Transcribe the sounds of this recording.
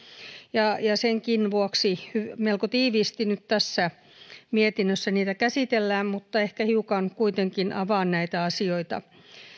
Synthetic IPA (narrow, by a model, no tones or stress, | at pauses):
jɑjɑseŋkinʋuoksihymelkot̪iːʋiːst̪inyt̪t̪æsːæ | miet̪inːøsːæniːt̪ækæsit̪elːæːmmut̪ːɑehkæhiukɑnkuit̪eŋkinʔɑʋɑːnnæit̪æɑsioit̪ɑ̰